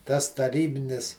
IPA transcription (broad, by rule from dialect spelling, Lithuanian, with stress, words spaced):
tɐs tɐˈrʲiːbʲɪnʲɪs